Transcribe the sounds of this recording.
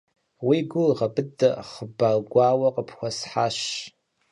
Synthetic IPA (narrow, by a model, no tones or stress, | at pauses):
wiɡʷʊʁɐbɨdɐ̰χəbaɡʷaːwɐqʼəpʰxʷɐsħaːʃ